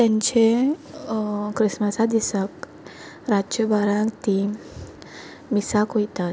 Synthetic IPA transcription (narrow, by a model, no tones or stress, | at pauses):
t̪ɛ̃ɲt͡ɕe | kɾisməsad̪isək | ɾat͡ʃəbaɾãŋkt̪i | misakɦojt̪at̪